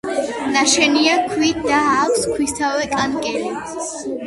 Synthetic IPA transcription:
naʃɛniakʰwid̪aːkʷskʰwist̪ʰawɛkʼankʼɛli

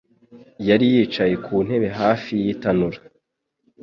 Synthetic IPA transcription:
jaɾijiːt͡ʃaje̞kʰuːn̥he̞βe̞ɦaːfijitanuɾa

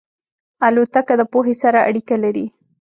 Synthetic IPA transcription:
ɐlut̪ɐkːɐd̪ɐpuɦisɐɾɐʔɐ̰ɽikɐlɐɾi

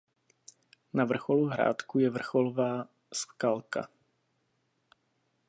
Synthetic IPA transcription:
navr̩xoluɦɾa̰ːt̪kujɛvr̩xolovaː | skalka̰

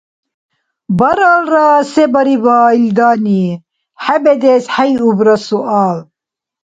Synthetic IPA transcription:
bɐɾalɾasɛbɐɾibaːild̪aːni | ħabɛd̪ɛsħajubɾɐsuʔaːl

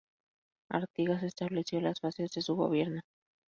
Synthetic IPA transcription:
a̰ɾt̪iɣas̬e̞st̪aβle̞sjo̞lasfasezðe̞suɣo̞̰βje̞ɾno

